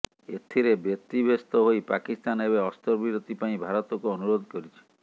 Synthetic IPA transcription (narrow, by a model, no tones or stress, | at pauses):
et̪ʰiɾebjɔk̚t̪ibʱest̪ɔɦojpakist̪aneβeɔst̪ɔɾbʱiɾot̪ipaĩbʱaɾɔt̪ɔkuɔnuɾod̪ʱkɔɾit͡ʃʰi̥